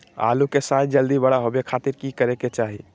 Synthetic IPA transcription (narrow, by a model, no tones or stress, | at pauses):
a̰lukesaj̪d͡ʒəld̪ibəɽaɦobekʰat̪iɾkikəɾeket͡ʃaɦḭ